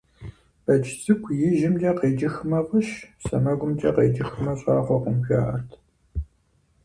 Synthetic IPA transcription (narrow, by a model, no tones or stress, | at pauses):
b̥ɐd͡ʒt͡sʼɨkʷʰjɪʒɪmd͡ʒɐqeːd͡ʒɪxmɐfʼɨɕsɐmɐɡʷʊmd͡ʒʼɐqeːd͡ʒɪxmɐɕʼaːʁʷɔqʷʊmɕʷa̰ːʔɐrtʰ